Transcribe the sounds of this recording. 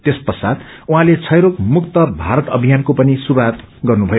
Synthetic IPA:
t̪espʌsad̪ | uɦãlet͡sʰʌjɾokmukt̪ʌbʱaɾʌt̪ʌbʱijankopʌnisuɾuwat̪ɡʌrnubʱʌjo

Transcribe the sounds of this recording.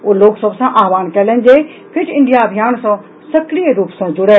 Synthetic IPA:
oːloːɡsəbsãʔaːʋaːnkɐlənɪ̆d͡ʑeː | pʰɪʈɪ̃ɳɖijaɐbʱijaːnsã | sɐkɾijəɾuːpsãd͡ʑʊɽe

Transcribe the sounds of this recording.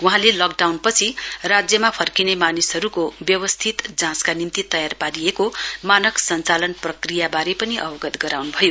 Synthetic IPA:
uɦãlelʌk̚ɖawnpʌt͡sʰirad͡zjʌmapʰʌrkinemanisɦʌɾukobjʌwʌst̪ʰit̪d͡zãskanimt̪it̪ʌjarpaɾiekomanʌksʌnt͡salʌnprʌkrijabaɾepʌniʔʌbʌɡʌt̪ɡʌɾawnubʱʌjo

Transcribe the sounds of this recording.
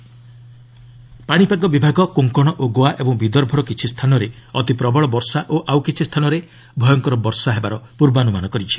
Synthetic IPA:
paɽ̃ipaɡɔbibʱaɡɔkuŋkɔɽ̃ɔʔoɡoaʔebɔŋbid̪ɔɾbʱɔɾɔkit͡ʃʰist̪ʰanɔɾeɔt̪ipɾɔbɔɭɔbɔɾsaʔoʔawkit͡ʃʰist̪ʰanɔɾe | bʱɔjɔŋkɔɾɔbɔɾsaɦebaɾɔpuɾbanumanɔkɔɾit͡ʃʰi̥

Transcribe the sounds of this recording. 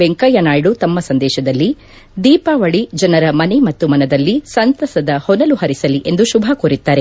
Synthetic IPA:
eŋkɐjɐnaːjɽut̪ɐmːɐsɐnd̪ɛːʃɐd̪ɐlːi | d̪iːpaːʋɐɭid͡ʒɐnɐɾɐmɐnemɐt̪ːumɐnɐd̪ɐlːisɐnt̪ɐsɐd̪ɐhɔnɐluhɐɾisɐliʔe̞nd̪uʃubʱɐkuːɾit̪ːaːɾe

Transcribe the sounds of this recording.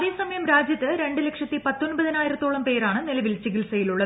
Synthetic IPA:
ðeːsɐmɐjɐmɾaːd͡ʑjɐt̪ːɨɾe̞ɳɖɨlekʂɐt̪ːipɐt̪ːonbɐðinaːjiɾɐt̪ːoːɭɐmpe̞ːɾaːɳɨnilɐʋilt͡ɕiɣilsɐjiluɭːɐ

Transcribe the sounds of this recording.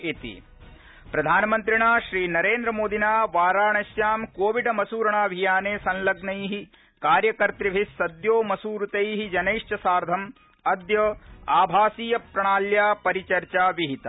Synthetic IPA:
it̪ḭ | pɾɐd̪ʱaːnɐmɐnt̪ɾiɳaːʃɾiːnɐɾeːnd̪ɾɐmoːd̪inaːʋaːɾaːɳɐsjaːmkoːʋiɖɐmɐsuːɾɐɳaːbʱijaːneːsɐnlɐɡnɐjɦi | kaːɾjɐkɐɾt̪ɾibʱisːɐd̪joːmɐsuːɾut̪ɐjɦid͡ʒɐneːʂt͡ʃɐsaːɾd̪ʱɐm | ɐd̪jɐaːbʱaːsiːjɐpɾɐɳaːljaːpɐɾit͡ʃɐɾt͡ʃaːʋiɦit̪ɐ

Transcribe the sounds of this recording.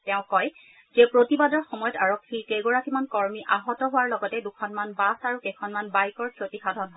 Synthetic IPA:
tɛʊ̃kɔj | zɛpɹotibadɔɹxɔmɔjɔtaɹokʰːikeɡɔɹakimankɔɹmiʔaɦɔtɔɦʊwaɹlɔɡɔtɛdukʰɔnmanbasaɹukɛkʰɔnmanbajkɔɹsʰɹotixadʱɔnɦɔ

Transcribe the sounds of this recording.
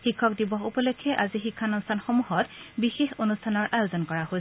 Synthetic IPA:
xikʰːɔk̚dibɔxupɔlokʰːɛʔazixikʰːanɔnstʰanxomuɦɔtbixexonustʰanɔɹʔajozɔnkɔɹaɦos

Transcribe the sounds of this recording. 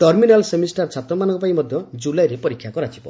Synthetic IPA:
tɔɾminalsemisʈaɾt͡ʃʰat̪ɾɔmanɔ̃ŋkɔpaĩmɔd̪ʱjɔd͡ʒulajɾepɔɾikʰːjakɔɾat͡ʃʰi̥bɔ̰

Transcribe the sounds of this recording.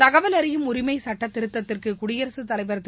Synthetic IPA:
t̪ɐɣɐʋɐlɐɾɪjɯmʊɾɪmɐɪsɐʈːɐt̪ːɪɾɯt̪ːɐt̪ːɪrkɯkʊɽɪjɐɾɐsɯt̪ːɐlɐɪʋɐɾɐt̪ː

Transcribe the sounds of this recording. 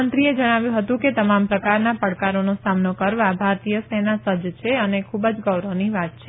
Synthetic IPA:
ənt̪ɾied͡ʒəɽ̃aʋjũɦət̪ũket̪əmampɾəkaɾnapəɽkaɾonosamnokəɾʋabʱaɾt̪ijəsenasəd͡ʒt͡ʃʰeənekʰubd͡ʒɡəwɾəʋniʋat̪̚t͡ʃʰe

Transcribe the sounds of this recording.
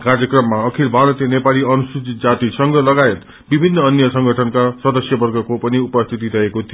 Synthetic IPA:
kard͡zjʌkrʌmːaʌkʰilbʱanʌt̪enepaliʌnusud͡zit̪̚d͡zat̪isʌŋɡʌlʌɡaet̪ | bibʱinːʌːnjʌsʌŋɡʱʌʈʰʌnkasʌd̪ʌsjʌbʌrɡʌkopʌniupʌst̪ʰit̪̬iɾʌɦekot̪ʰijo

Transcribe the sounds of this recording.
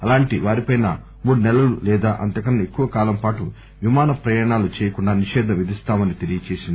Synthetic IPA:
ɐlaːɳʈiʋaːɾipɐjnɐ | muːɽunɛlɐlṵlɛːd̪aːʔɐ̰nt̪ɐkɐnːɐe̞kːuʋɐkaːlɐmpaːʈu | ʋimaːnɐpɾɐjaːɐɳaːlut͡ʃɛːjɐkuɳɖaːniʂɛːd̪ʱnɐʋid̪ist̪aːmɐnit̪elijɐt͡ʃeːsind̪i

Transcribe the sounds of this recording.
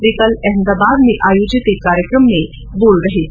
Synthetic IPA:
ɾikəlɛɦnd̪abad̪miʔajod͡ʑit̪ekaɾjəkɾəmːe | bolɾəɦi

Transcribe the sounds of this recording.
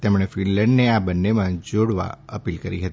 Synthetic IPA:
t̪emɳ̃efinlə̃ɳɖneabənːemãd͡ʒoɽʋa̰əpilkəɾḭɦət̪i

